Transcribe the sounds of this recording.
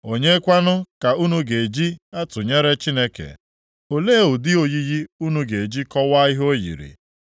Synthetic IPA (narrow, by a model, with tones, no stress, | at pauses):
o˨ɲe˦kʷa˦nʊ˦ka˨u˦nu˦ɡe˨d͡ʒi˦a˦tʊ˨ɲe˦ɾe˦t͡ʃi˦ne˦kḛ˨ | o˨le˦˨ʊ˨dɪ˦o˨ji˦ji˦u˦nu˦ɡe˨d͡ʒi˦kɔ˦wa˦i˦ɦo˦jḭ˨ɾḭ˨